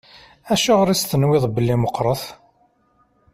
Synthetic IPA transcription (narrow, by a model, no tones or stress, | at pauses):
æʃuʁɾist̪ənwɪðˤbəlːiməqːɾˤəθ